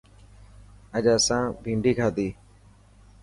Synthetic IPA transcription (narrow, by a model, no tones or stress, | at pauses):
əʄəːsãːbʱĩːɳɖʱiːkʰaːd̪iː